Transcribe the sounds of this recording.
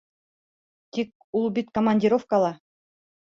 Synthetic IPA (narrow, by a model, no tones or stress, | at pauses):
t̪ʲik̚ | ulˠbit̪komanʲdʲɪɾofkəlˠɑ